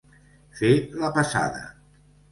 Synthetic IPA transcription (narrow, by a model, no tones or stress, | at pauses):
feləpasa̰ðə̰